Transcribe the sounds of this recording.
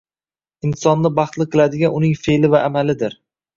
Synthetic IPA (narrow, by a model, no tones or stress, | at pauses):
ɪnsɒnːɪbɑχt̪lˠɨqʰɨlad̪ɪɡʲanʊnɪŋfe̞lɪvaʔːmalɪd̪ɪɾ